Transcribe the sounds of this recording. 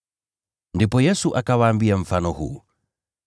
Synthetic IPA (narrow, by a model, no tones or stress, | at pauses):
ndipojəsuʔakawambiəmfanoɦṵ